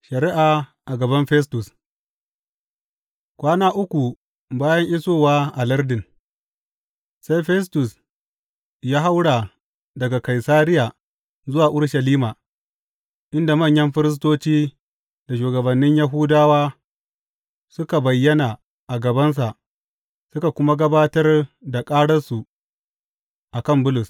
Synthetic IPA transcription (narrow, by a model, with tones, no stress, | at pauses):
ʃɐ˨ɾɪ˦ʔaː˨ʔa˨ɡɐ˨bɐ˦mɸɛ˦s̬tʊ˨s | kʷaː˦naː˦ʔʊ˦kʷu˨ | baː˦jɐ˦ŋʔɪ˦soː˦˨waː˦ʔa˨lɐ˦rdɪ˨n | sa˦jɸɛ˦s̬tʊ˨s | jaː˦ɦa˦wɽa˨ | dɐ˨ɡa˨ka˨jsaː˦ɾɪ˦ja˨ | zʊ˦waː˨ʔʊ˦ɽʃɐ˨liː˦maː˨ | ʔɪ˦nda˨mɐ˦˨ɲjɐ˦mɸɪ˦ɾɪ˦s̬toː˦t͡ʃiː˦ | da˨ʃuː˨ɡɐ˨bɐ˨nːɪ˦ɲja˦ɦʊ˦daː˦waː˦ | sʊ˦ka˨bɐ˨jːɐ˦na˨ | ʔa˨ɡɐ˨bɐ˦ns̬a˨ʔ | sʊ˦ka˨kʷʊ˦ma˦ɡɐ˦baː˦tɐ˦rda˨kʼaː˦ɽɐ˦rsu˨ | ʔa˨kɐ˦mbʊ˦lʊ˨s